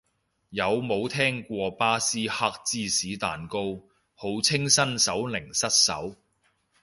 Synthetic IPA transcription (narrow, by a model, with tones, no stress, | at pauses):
jɐ˨˧wmo˨˧wt̪ʰɛː˥ŋkʷɔː˧paː˥siː˥haː˥k̚t͡siː˥siː˨˥t̪a̰ː˨nko˥w | ho˨˥wt͡sʰɪ˥ŋsɐ˥nsɐ˨˥wlɪ˨˩ŋsɐ˥t̚sɐ̰˨˥w